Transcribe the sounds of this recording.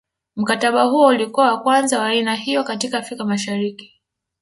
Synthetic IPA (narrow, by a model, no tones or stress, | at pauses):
m̩kataɓahuɔulikuawakwanzawaːinahijɔkatikaːfɾikamaʃaɾiki̥